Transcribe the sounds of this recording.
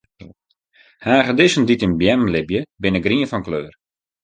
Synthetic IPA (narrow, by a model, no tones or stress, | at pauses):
haːɣədɪsənditɪnbjɛmlɪbjəbɪnəɡriənfɔnkløːr